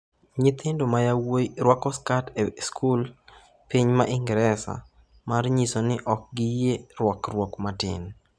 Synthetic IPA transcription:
ɲɪt̪ʰɪndomajawoɾwɔkɔskateskʰul | piɲmaʔɪŋɡɾɛsa̰ | marɲisonɪʔɔk̚ɡɪjeɾwɔkrwɔkmatɪ̰n

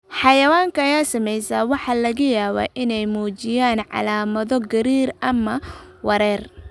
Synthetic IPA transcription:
ħɑjɐwaːŋkʰɐɐjaːsɐmɛjsaːwɑħɑːlɐɣɐjaːβa̰ːʔɪnɛjmuːt͡ʃɪjaːnʕɑ̰laːmɐðɔɡɐɾiːrʔɐmɐwɐɾɛːr

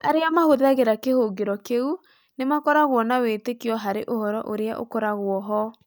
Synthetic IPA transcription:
aɾeamahoðaɣeɾakehoɣeɾɔkeu | nemakɔɾaɣwɔnawetekeɔɦaɾeʔohɔɾɔ̰ʔoɾea̰ʔo̰kɔɾaɣwɔɦɔ

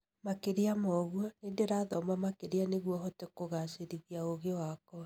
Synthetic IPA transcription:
makeɾeamɔɣwɔneːndeɾaːðɔmamakeɾianeɣwɔɦɔtekoɣaseɾiɣiaoɣewakɔ

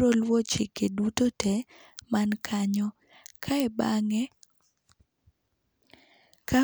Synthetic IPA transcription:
olwɔt͡ʃikedutotɛ | mankʰaɲɔ | kʰaɛbaŋɛ | ka

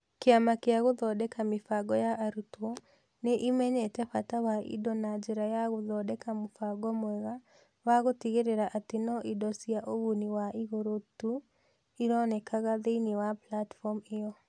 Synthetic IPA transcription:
keamakeaɣoðɔdɛkamɪfaɡɔjaʔːɾutwɔ | neʔimɛɲɛtɛfatawaḭdɔnad͡ʒɛɾajaɣʊðɔdɛkamʊfaɡɔmwɛɣa | waɣotiɣeɾeɾaʔatenɔʔidɔsiaʔoɣoniwaʔiɣoɾotu | iɾɔnɛkʰaɣaðeinewaplatfɔmɪjɔ

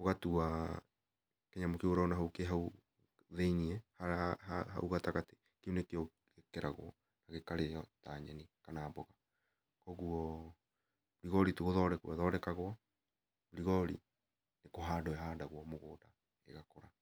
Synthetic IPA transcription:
oɣatua | keɲamokeoɾaunaɦaukeɦau | ðeiniɛhahaha̰uɣataɣate | keonekeo | ekɛɾʔaɣwɔ | naɣekaɾejɔtaɲɛnikanaːbɔɣa | kɔɣuɔ | ɾiɣɔɾituɣoðɔɾɛkɛðɔːɾɛkaɣwɔ | uɾiɣɔɾḭ | nekoɦadɔaɦadaɣwɔmoɣoːda | ḛɣakɔɾa

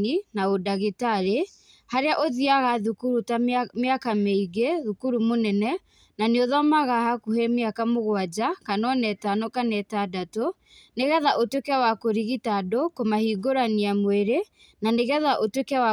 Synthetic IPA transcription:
inaodaɣitaɾe | haɾeaʔoðiaɣaðukuɾutameakameiɡeðukuɾumonɛnɛ | naneoðɔmaɣahakuhɛmeakamoɣwad͡ʒakanɔnɛtanɔkanɛtadato | neɣɛðaʔotwekɛawakoɾiɣitadokomahiɡoɾaniamweɾe | naneɣɛðaʔotwekawa

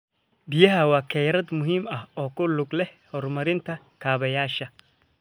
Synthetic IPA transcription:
bɪjɐɦɐwaːkʰɛjɾɐd̪mʊɦiːmɐhɔːkʊlʊɡlɛhɔrmɐɾɪnt̪ʰɐ | kʰaːβɐjaːʃɐ

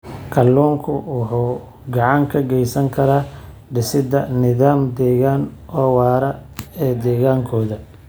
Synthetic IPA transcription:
kʰɐlːɔːŋkʰʊwʊħuː | ɡɑʕɑŋkʰɐɡɛjsɐŋkʰɐɾaː | ɖɪsɪd̪ɐnɪðaːmd̪ɛːɣaːnɔːwɑːɾɐɛːd̪ɛːɣaːŋkʰɔːðɐ

